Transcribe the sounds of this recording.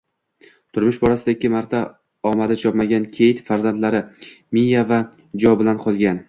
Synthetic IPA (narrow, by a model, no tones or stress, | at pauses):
t̪ʰʊɾmɪʃbɒɾasɪd̪aɪkʲʰːɪmaɾt̪ʰa | ɒmad̪ɪt͡ʃʰɒpmaɡʲankʲʰe̞jɪt̪faɾzand̪laɾɪmijava | d͡ʒɒbɪlanqʰɒlˠɡʲan